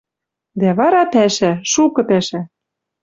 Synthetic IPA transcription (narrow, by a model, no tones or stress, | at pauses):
d̪æβɑɾɑpæʃæʃukɤ̆pæʃæ